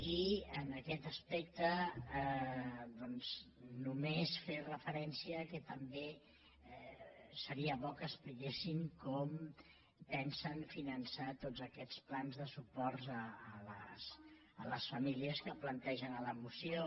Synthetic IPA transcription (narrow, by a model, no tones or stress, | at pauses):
iənəkɛt̪əspɛk̚t̪ə | d̪ɔnz̥numesferəfəɾɛnsiəkət̪əmbe | səɾiəβɔkəːsplikesiŋkɔm | pɛnsənfinənsat̪ozəkɛt͡splanzðəsupɔɾəːləs | ələsfəmiliəskəplənt̪ɛʒənələmusio